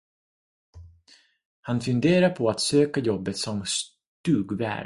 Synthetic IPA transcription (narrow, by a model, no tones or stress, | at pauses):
hanfɵnd̪eːɾaɾpʰɔat̪søːkajɔbːət̪sɔms | t̪ʉːɡvæ̰ː